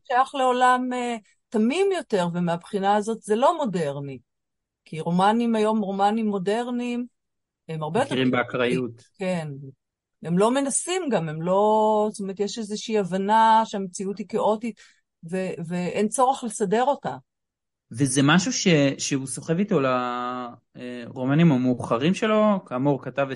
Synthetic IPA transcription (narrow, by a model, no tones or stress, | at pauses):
ʃeaχleo̞lame | tamimjo̞te̞ʁvemeapχinaːzo̞tzelo̞mo̞de̞ʁni | kiʁo̞manimajo̞mʁo̞manimːo̞de̞ʁnim | emaʁbejot̪eʁimbeakʁajutken | emlo̞me̞nasimɡame̞mlo̞stomeʁet̪jeʃezeʃiiavanaʃeamet͡siutikeʔo̞tit | veveʔent͡so̞ʁeχlesade̞ʁo̞ta | vezemaʃuʃeʃeuso̞χevit̪o̞la | eʁo̞manimameuχaʁimʃelo̞kaːmuʁkatave